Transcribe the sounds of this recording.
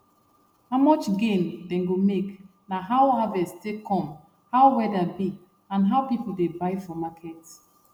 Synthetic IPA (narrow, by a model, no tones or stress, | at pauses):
haʊmɔt͡ʃɡẽmdɛ̃nɡomek | naɦawhavɛstekʰɔ̃m | hawwɛdabi | ãnɦaʊpipl̩debaɪfɔmakʰɛt